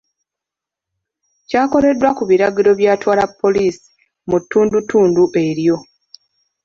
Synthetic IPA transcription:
caːko̞le̞dːwakuβiɾaɡiɾo̞βjaːtwaːlapʰːo̞liːsi̥ | mutːuːndutːuːnduʔe̞ɾjo̞

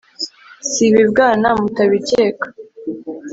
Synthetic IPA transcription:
siβibɡaːnamutaβice̞ːkḁ

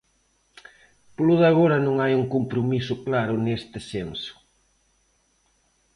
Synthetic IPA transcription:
pluðaɣoɾɐnõŋajuŋkompɾomisʊklaɾʊnest̪ɪsensʊ̥

